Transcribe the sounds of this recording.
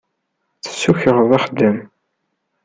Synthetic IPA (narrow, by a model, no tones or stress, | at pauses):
θə̥sːuçəʁðˤɑχd̪ːəm